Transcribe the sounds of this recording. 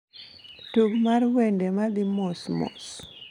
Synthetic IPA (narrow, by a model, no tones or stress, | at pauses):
tuɡmarwendemalimɔsmɔ̰s